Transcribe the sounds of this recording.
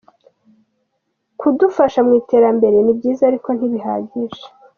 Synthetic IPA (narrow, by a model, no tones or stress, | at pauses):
kʰudufaʃamŋiːte̞ːɾambe̞ɾe̞nibɟiːzaɾiko̞n̥hiβiɦa̰ːɟiʒe̥